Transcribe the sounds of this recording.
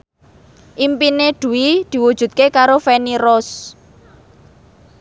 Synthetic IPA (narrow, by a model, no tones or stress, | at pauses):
ʔimpineɖ̪̥ṳwid̪̥i̤wud̥ʒ̥ṳt̪̚kekaɾofɛniɾɔs